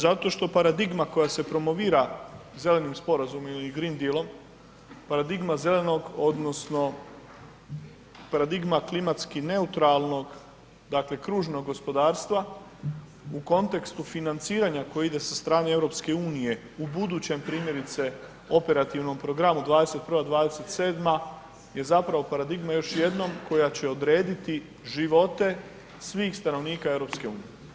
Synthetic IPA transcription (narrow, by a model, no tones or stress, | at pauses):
zat̪o̞ʃt̪o̞paɾad̪iɡmako̞jase̞pɾo̞mo̞ʋiːɾaze̞le̞nimspo̞ɾazumomiɡɾind̪ilˠo̞m | paɾad̪iɡmaze̞le̞no̞ɡo̞d̪no̞sno̞ | paɾad̪iɡmaklimat̪skine̞ut̪ɾalˠno̞ɡ | d̪akle̞kɾuːʒno̞ɡːo̞spo̞d̪aːɾst̪ʋa | uko̞nt̪e̞kst̪ufinant̪siːɾaɲako̞jeid̪e̞sast̪ɾaːneevɾo̞pske̞uːnije̞ | ubud̪uːt͡ɕe̞mpɾiːmje̞ɾit̪se̞ | o̞pe̞ɾat̪iʋno̞mpɾo̞ɡɾamud̪ʋaːd̪e̞se̞t̪̚pɾ̩ʋad̪ʋaːd̪e̞se̞t̪seːd̪ma | je̞zapɾaʋo̞paɾad̪iɡmajoʃje̞d̪no̞mko̞jat͡ɕe̞o̞d̪ɾe̞ːd̪it̪i | ʒiʋo̞t̪e̞ | sʋiːxst̪ano̞ʋniːkae̞vɾo̞pske̞uːnije